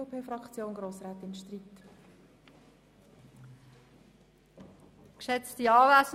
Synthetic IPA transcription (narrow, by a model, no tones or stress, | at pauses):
pʰeːfrɑkt͡sjoːnɡɾoːsʁaːt̪ɪnʃtriːt | kʃɛt͡stiɑːlæs